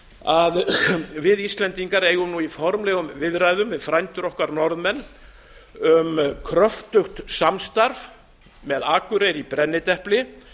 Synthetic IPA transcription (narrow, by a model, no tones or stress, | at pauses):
aðvɪðist̪lɛnt̪iŋkaɾejɣʏmnuifɔɾmlɛːɣʏmvɪðraːjðʏmvɪðfɾajnt̪ʏɾɔhkaɾnɔɾðmɛnː | ʏmkʰɾœft̪ʏxt̪samst̪aɾv | mɛðaːkʏɾejɾipɾɛnːɪt̪ɛhplɪ